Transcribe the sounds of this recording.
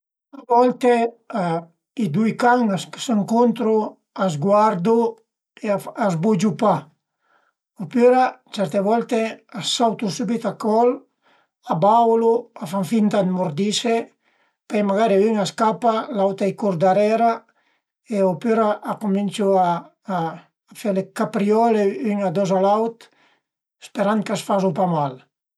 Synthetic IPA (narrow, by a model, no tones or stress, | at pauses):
abɔlt̪e | a | id̪ujkaŋaskseŋkont̪ɾo | azɡwaɾd̪u | eaazbud͡ʒupa | opøɾat͡ʃɛɾt̪eβɔlt̪easawt̪usubit̪akɔl | abawluafaɱfint̪ad̪moɾd̪ise | pɛjmaɣaɾeyŋaskapalawt̪ajkuɾd̪aɾɛɾa | eopøɾaʔakumint͡ʃuaː | felekapɾiɔleyŋad̪ɔzalawt̪ | espeɾan̚kasfazupamal